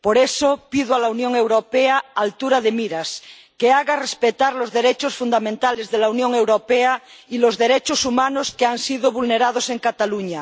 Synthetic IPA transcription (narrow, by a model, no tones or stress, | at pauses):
poɾesopiðoalaunjoŋe̞wɾopeaːlt̪uɾaðemiɾas | keaɣarespet̪aɾlozðeɾet͡ʃosfund̪amẽnt̪alezðelaunjõŋewɾopeailozðeɾet͡ʃosumanoskeansiðoβulneɾað̞ose̞ŋkat̪aluɲa